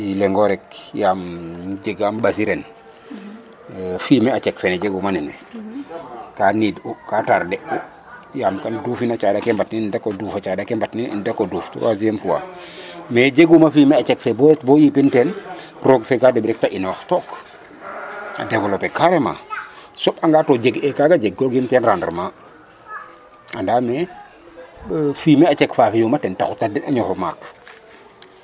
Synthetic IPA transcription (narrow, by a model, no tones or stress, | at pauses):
ileŋɡoɾekjaːmd͡ʒeɡaːmbas̬iɾen | fimeat͡ʃekfened͡ʒeɡumanine | kaniːdukataɾdeu | jaːmkanduːfinat͡ʃadakembatnindakoduːfat͡ʃaːdakembatnḭndakoduːfto̰wazijemfuwa̰ | med͡ʒeɡumafiːmeat͡ʃɛkfeboːɾetboːjipinten | roɡfɛkadɛbɾɛk̚taʔinɔxtɔːk | a̰dɛvɔlopɛkaɾɛma̰sɔpaŋɡatɔd͡ʒeɡɛkaːɡad͡ʒeɡɡɔɡintɛnɾandrma | andamɛ | fiːmeat͡ʃɛkfaːfijumatɛnta̰xutada̰ɲɔxoma̰k